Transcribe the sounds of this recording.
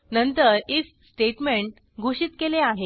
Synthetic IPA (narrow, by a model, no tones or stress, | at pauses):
nənt̪əɾis | sʈeʈmeɳʈ̚ | ɡʱuɕiːt̪keleaɦe